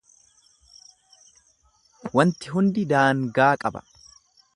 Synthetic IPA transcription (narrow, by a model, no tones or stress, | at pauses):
wɐnt̪ɪɦʊnd̪ɪd̪aːŋɡaːkʼɐbɐ̥̰